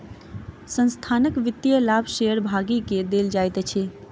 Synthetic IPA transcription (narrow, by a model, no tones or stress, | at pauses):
sə̃nst̪ʰanəkʋɪt̪ːjəlabʱʃeəɾbʱaɡiked̪eld͡ʒajt̪t͡ʃʰɛ